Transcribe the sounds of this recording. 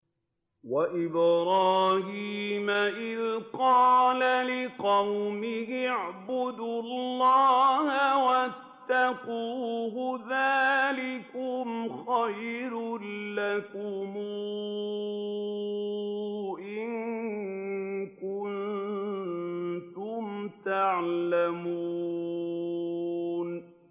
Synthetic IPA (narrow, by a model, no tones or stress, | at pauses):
waʔɪbɾɑːɦiːmaʔɪðqɑːlalɪqɑwmɪɦɪʕbʊd̪ulːɑːhawat̪ːaquːɦʊðaːlɪkʊmxajɾlakʊm | ʔɪŋ | kʊnn | t̪ʊmt̪aʕlamuː | n